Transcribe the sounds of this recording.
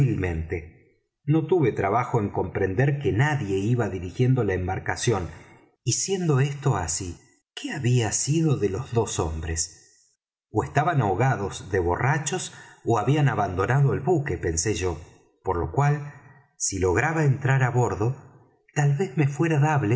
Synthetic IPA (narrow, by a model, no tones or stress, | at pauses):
ilmẽ̞nt̪e̞ | no̞t̪uβe̞t̪ɾaβaxo̞eŋko̞mpɾe̞nd̪eɾke̞naðje̞iβaðiɾixje̞nd̪olaembaɾkasjo̞n | isje̞nd̪o̞est̪o̞asi | keaβiasiðo̞ðelo̞zðo̞sombɾes | oest̪aβanaoɣaðo̞zðe̞βo̞rat͡ʃo̞soaβianaβand̪o̞naðoelβukepe̞nse̞ʒo̞ | po̞ɾlo̞̰kwal | silo̞ɣ̞ɾaβaent̪ɾaɾaβo̞ɾðo̞ | t̪alβe̞zme̞fweɾaðaβle